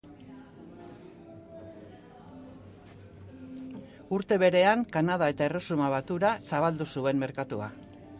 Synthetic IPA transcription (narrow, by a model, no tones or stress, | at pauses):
uɾt̪e̞βe̞ɾe̞aŋkanaðae̞t̪aero̞sumaβat̪uɾasaβ̞ald̪usue̞mme̞ɾkat̪ua̰